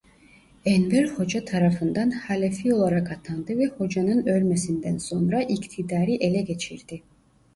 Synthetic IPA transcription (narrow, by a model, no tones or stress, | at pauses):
enveɾho̞d͡ʒat̪ʰɑɾɑfɯnd̪ɑnhalʲefio̞lˠɑɾɑkɑt̪ʰɑnd̪ɯvɛho̞d͡ʒɑnɯnø̞lmesind̪ɛnso̞nɾɑʔikt̪ʰid̪ɑːɾiʔelɛɡe̞t͡ʃʰiɾd̪̥i